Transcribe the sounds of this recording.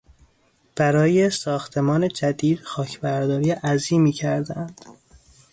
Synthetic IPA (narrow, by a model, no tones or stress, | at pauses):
b̥æɾɒːjesɒːxt̪ʰe̞mɒːne̞d͡ʒæd̪iːd̪̥xɒːcʰbæɾd̪ɒːɾiːʔæziːmiːcʰæɾd̪eænd̪̥